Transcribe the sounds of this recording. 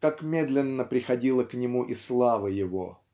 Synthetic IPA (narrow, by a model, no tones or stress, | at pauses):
kakmʲe̞d̪lʲɪnːəpɾʲɪxɐdʲilˠəknʲɪmuʔɪslˠavəjɪvo̰